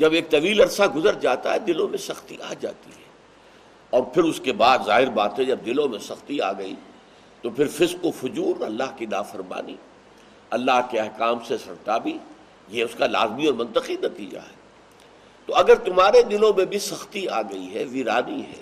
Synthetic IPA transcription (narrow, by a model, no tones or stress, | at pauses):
d͡ʒɐbeːk̚t̪ɐʋiːlɐɾsaɡʊzəɾd͡ʒaːt̪a̰ɦɛd̪ɪlõmẽsɐxt̪iʔaːd͡ʒa̰ːt̪ḭɦɛː | ɔːɾpʰɪɾʊskebaːd̪zaːɦɪɾbaːt̪ɦɛ̃d͡ʒɐb̚d̪ɪlõmẽsɐxt̪ia̰ːɡɐḭ | t̪opʰɪɾfɪzqofʊd͡ʒuːɾɐ̰lːaɦkina̰ːfɐɾma̰ːnḭ | ɐlːaɦkeɐɦkaːmsesɐɾt̪abʱi | jeʊskala̰ːzmiɔːɾmɐ̃nt̪əqinɐt̪ḭːd͡ʒa̰ɦɛː | t̪oɐɡəɾt̪ʊmɦaːɾed̪ɪlõmẽbʱisɐxt̪iaːɡɐiɦɛʋiːɾaːniɦɛ̰ː